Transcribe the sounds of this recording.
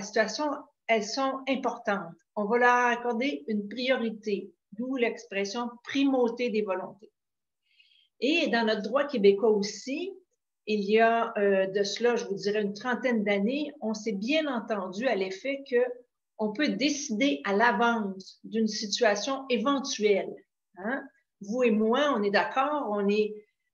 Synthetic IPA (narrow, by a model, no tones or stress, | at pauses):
si̥t̪ɥasjɔ̃ | ɛlsɔ̃ɛ̃pɔʁt̪ɑ̃t̪ɔ̃valœʁakɔʁd̪eynpʁijɔʁit̪e | d̪ulɛkspʁɛsjɔ̃pʁimot̪ed̪evɔlɔ̃t̪e | ed̪ɑ̃nɔt̪̚d̪ʁwakʲebekwaosi | ilijaød̪əslaʒəvudd͡ziʁɛynt̪χɑ̃t̪ɛnd̪aneɔ̃sɛbjɛ̃nɑ̃t̪ɑ̃d̪d͡z̪yalefɛkə | ɔ̃pød̪esid̪eʔalavɑ̃ssd̪ynsit̪yasjɔ̃evɑ̃t̪ɥɛl | ã | vuemwaɔ̃nɛd̪akʰɔːʁɔ̃nɛ